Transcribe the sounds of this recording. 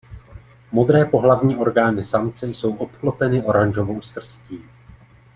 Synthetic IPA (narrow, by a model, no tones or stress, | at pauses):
mo̞d̪ɾɛːpo̞ɦlavɲiːʔo̞ɾɡaːnɪsamt͡sɛjso̞wʔo̞pklo̞pɛnɪʔo̞ɾanʒovo̞wsr̩sciː